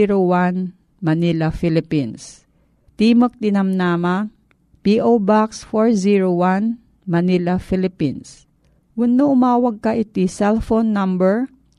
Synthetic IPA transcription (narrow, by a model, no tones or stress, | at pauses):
ɾowan | mɐnilɐfilɪpins | t̪iːmək̚d̪ɪnɐmnaːmɐ | piʔobaksfoɹziɹowan | mɐnilɐfilɪpins | wʊnːoʔʊmaːwɐɡ̚kɐʔɪt̪isɛlfonːɐmbɛɹ